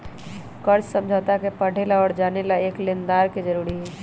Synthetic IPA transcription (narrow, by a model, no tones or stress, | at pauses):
kəɾt͡ʃsəmd͡ʒʱət̪akepəɽ̤ʱelaɔːɾd͡ʒaːnelaeːklend̪aːɾked͡ʒəɾuɾiɦɛ